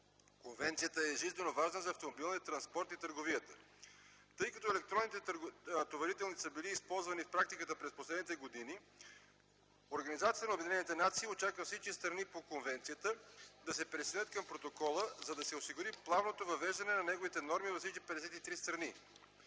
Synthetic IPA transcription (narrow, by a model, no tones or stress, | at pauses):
konvɛnt̪sijət̪əɛʒizɛnovaʒnəzɐːft̪omobilˠnijət̪ɾɐnspɔɾt̪it̪əɾɡovijət̪ə | t̪ɤjkɐt̪ɔɛlɛk̚t̪ɾɔnːit̪ɛt̪ovɐɾit̪ɛlˠnit̪səbiliːspɔlˠzvɐnifpɾakt̪ikət̪əpɾɛsposlɛd̪nit̪ɛɡod̪ini | oɾɡɐnizat̪iət̪ənɐobɛd̪inɛnit̪ɛnat̪siːot͡ʃakvəfsit͡ʃkʲist̪ɾɐnipokonvɛnt̪sijət̪əd̪ɐsɛpɾɛsɛnət̪̚kɐmpɾot̪okɔlˠəzɐd̪ɐsɛosiɡʊɾiplˠavnot̪ovɐvɛʒd̪ɐnɛnɐnɛɡovit̪ɛnɔɾmivɐsit͡ʃ̪ipɛd̪ɛsɛt̪it̪ɾist̪ɾɐni